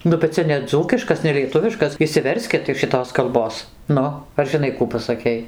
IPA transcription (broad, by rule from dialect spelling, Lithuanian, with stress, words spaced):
ˈnʊ bʲɛt ˈt͡sʲɛ nʲɛˈd͡zuːkʲɪʃkɐs nʲɛlʲiɛˈtʊʋʲɪʃkɐs ɪʃʲsʲɪˈʋʲɛrʲsʲkʲɪt ɪʃ ʃʲɪˈtoːs kɐlˠˈboːs ˈnʊ ɐr ʒʲɪˈnɐɪ ˈkuː pɐsɐˈkʲɛɪ